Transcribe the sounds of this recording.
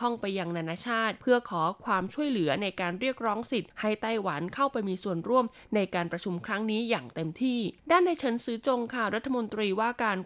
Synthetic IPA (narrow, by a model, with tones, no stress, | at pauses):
ɔ˥˩ŋpa˧jːa˧ŋnaː˧naː˧t͡ɕʰaː˥˩t̪̚pʰɯ˥˩ɐkʰɔː˩˦kʰwaː˧mt͡ɕʰu˥˩əjlɯ˩˦ɐna˧jkaː˧nɾi˥˩ək̚ɾɔː˦˥ŋsi˨˩t̪̚ha˥˩jt̪a˥˩jwa˩˦nkʰa˥˩wpa˧jmiː˧su˨˩ənɾu˥˩əm | na˧jkaː˧npɾa˧t͡ɕʰu˧mkʰɾa˦˥ŋniː˦˥jaː˨˩ŋt̪e˧mt̪ʰiː˥˩daː˥˩nːda˧˩jt͡ɕʰɤ˦˥nsɯː˦˥t͡ɕo˧ŋkʰa˥˩wɾa˦˥t̪ʰːa˧mo˧nt̪ɾiː˧waː˥˩kaː˧n